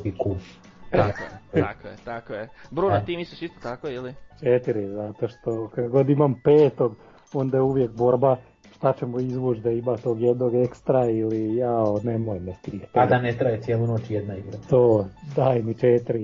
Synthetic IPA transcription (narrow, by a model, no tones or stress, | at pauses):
iku | akojet̪akojebɾunat̪iːmisiʃist̪ot̪akoilit͡ʃet̪iɾizat̪o̞ʃt̪o̞kakɡo̞d̪imampeːt̪o̞ɡ | o̞nd̪ajeuʋjekbo̞ɾba | ʃt̪at͡ɕemuizʋut͡ʃd̪aimat̪o̞ːɡjed̪noɡe̞kst̪ɾailijaonemojmest̪iːxt̪ad̪anet̪ɾajet̪sjelˠunoːt͡ʃjed̪naiɡɾat̪oːd̪ainit͡ʃet̪ɾi